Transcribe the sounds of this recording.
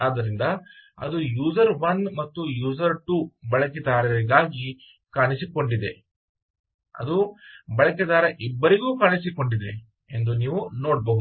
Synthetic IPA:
aːd̪ɐɾind̪ɐɐ̰d̪ujuːzɐɾʋɐnmɐt̪ːujuːzɐɾʈuːbɐɭɐk̬ed̪aːɾɐɾiɡaːɡi | kaːnisiko̞ɳɖid̪e̞ | ɐ̰d̪ubɐɭɐkɛd̪aːɾɐʔibːɐɾiɡuːkaːɳis̬iko̞ɳɖid̪e̞ | e̞nd̪uniːʋunoːɽboːud̪

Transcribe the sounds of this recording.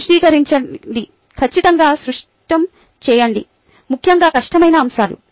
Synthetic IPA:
ʂʈiːkɐɾiɲt͡ʃɐɳɖi | kʰɐt͡ʃːit̪ɐŋɡaːsɾuʂ | ʈɐm | t͡ʃɛːjɐɳɖḭ | mukʰjɐŋɡaːkɐʂʈɐmɐjnɐːmʃaːlṵ

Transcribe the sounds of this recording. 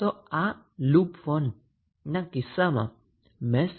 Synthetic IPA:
ɔa | lupfɔn | nakisama̰ | mɛs

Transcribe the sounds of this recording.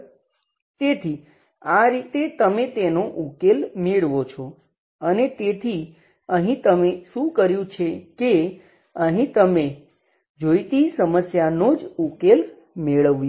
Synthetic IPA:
t̪et̪ʰi | aɾit̪et̪əmet̪enoʔukelmeɭʋot͡ʃʰɔ | ənet̪et̪ʰi | əɦĩt̪əmeʃũkəɾjũt͡ʃʰeke | əɦĩt̪əme | d͡ʒoit̪isəməsjanod͡ʒukel | meɭəʋj

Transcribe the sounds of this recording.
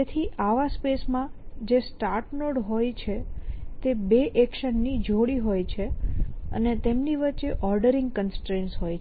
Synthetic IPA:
et̪ʰiʔaʋaspesmãd͡ʒesʈaɾʈnoɖɦojt͡ʃʰet̪ebeʔɛkʃənːid͡ʒʱoɽiɦojt͡ʃʰeə̰net̪emniʋətːt͡ʃeʔɔɾɖəɾɪ̃ŋɡkənsʈɾẽnsɦoj

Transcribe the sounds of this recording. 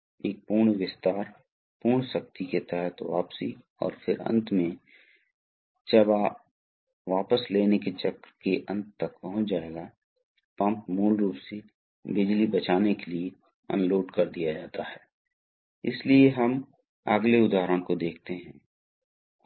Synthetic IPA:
eːk̚puːɾɳʋɪst̪aːɾ | puːɳ̃sɐk̚t̪iket̪ɛɦət̪ʋa̰ːpsi | ɔ̰ːɾfʰɪɾə̰̃nt̪mẽ | d͡ʒəbaː | ʋaːpəsleːneket͡ʃɐkɾkeʔə̃nt̪t̪ːɐkpɐɦʊ̃t͡ʃd͡ʒaːeɡa | pɐ̃mpmuːlɾuːpse | bɪd͡ʒlibɐt͡ʃaːnekelie | ə̰̃nloːʈkɐɾd̪ijad͡ʒaːt̪aɦɛː | ɪ̰slieɦəm | ə̰ɡleʊd̪ʱaːɾõkod̪eːkʰt̪eɦɛ̃ː

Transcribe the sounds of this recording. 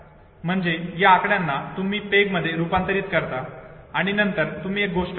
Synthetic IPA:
m̤əɳd͡zejaːkɳjanːat̪umiːpeɡməd̪ʱːjeɾupant̪əɾiːt̪kəɾt̪aaɽ̃inənt̪əɾt̪um̤iːek̚ɡoʂʈ

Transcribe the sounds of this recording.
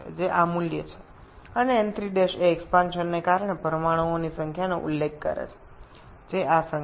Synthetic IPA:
d͡ʒeʔamuljə̰t͡ʃʰe̥ | əneːnt̪ɾid̪eʃeɛkspãnʃənːekaɾɳ̃epəɾəmaɽ̃uonisəŋkʰjanoʔṵlːekkə̰ɾḛt͡ʃʰe̥ | d͡ʒeʔasə

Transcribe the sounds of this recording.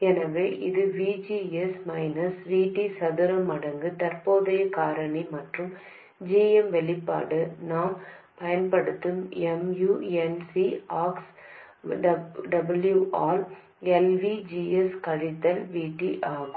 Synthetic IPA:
ɛnɐʋeːʔɪðɯʋiːd͡ʒiːɛsmɐɪnɐsʋiːʈːisɐðɯɾɐmɐɽɐŋɡɯt̪ɐɾpoːðɐjɐkaːɾɐɳimɐʈrɯm | d͡ʒeːɛmʋɛɭɪpːa̰ːɽɯnaːm | pɐjɐnpɐɽɯt̪ːɯmɛmjuːɛnsiaːks | ɖɐɖɐbɐljuʔaːɾ | ɛlʋid͡ʒiːɛskɐɻɪt̪ːɐlʋiːʈːiʔaːɣɯ

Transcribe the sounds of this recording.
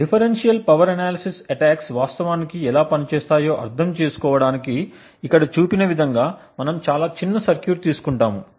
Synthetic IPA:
ɖipʰɐɾenʂijɐlpɐʋɐɾɐnaːlɐsisɐʈaːksʋaːst̪ɐʋaːnikiɛlaːpɐnit͡ʃɛːst̪aːjo̞ːʔɐ̰ɾt̪ʰɐmt͡ʃe̞ːsu̥kɔːʋɐɽaːnikiː | kːɐɽɐt͡ʃuːpinɐʋid̪ʱɐŋɡaːmɐnɐmt͡ʃaːlaːt͡ʃinːɐsɐɾkjuːɾt̪iːsu̥kuɳʈaːmu

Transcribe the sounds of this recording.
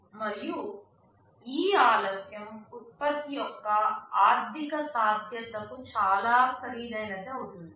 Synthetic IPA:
mɐɾiju | iːaːlɐsjɐmut̪̚pɐt̪ːijɔkːɐaːɾt̪ikɐsaːd̪ʱjɐt̪ɐkut͡ʃaːlaːkʰɐɾiːd̪ɐjnɐt̪eːut̪und̪ii

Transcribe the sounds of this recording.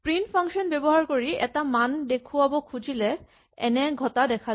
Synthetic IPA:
pɹinpʰaŋkʃɔnbɛbɔɦaɹkoɹiɛ̰tamandekʰuabɔkʰud͡ʑilɛ | ɛ̰nɛɡʱɔtadɛkʰa

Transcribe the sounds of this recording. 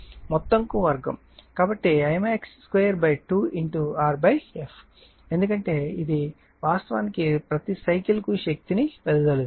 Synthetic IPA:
mɔt̪ːɐŋkuʋɐɾɡɐ̰m | kaːbɐʈːiɐjmeːksːkʋejɐɾbɐjʈuːiɳʈuaːɾbɐjepʰ | e̞nd̪ukɐɳʈe̞ːid̪i | ʋaːst̪ɐʋaːnikipɾɐt̪isɐjkilkuʃɐk̚t̪inipɛd̪ɐd̪ɐlu

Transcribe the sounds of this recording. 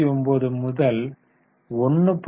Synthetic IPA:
ɪɔmboːðɯmʊðɐl | ɔnːɯpː

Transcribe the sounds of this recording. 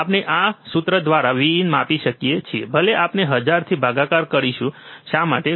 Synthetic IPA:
apneʔasut̪ɾəd̪ʋaɾaʋiːnmapiʃəkiet͡ʃʰiebʱəleʔapneɦəd͡ʒaɾt̪ʰibʱaɡakaɾkəɾiʃũʃama̰ʈe

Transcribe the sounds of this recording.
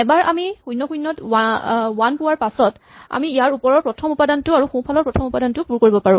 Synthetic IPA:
ɛbaɹamixujnːɔxujnːɔt | wanpʊwaɹpasɔt | a̰miijaɹupɔɹɔɹpɹɔtʰɔmupadantʊaɹuxũpʰalɔɹpɹɔtʰɔmupadantʊpuɹkoɹibɔpaɹũ

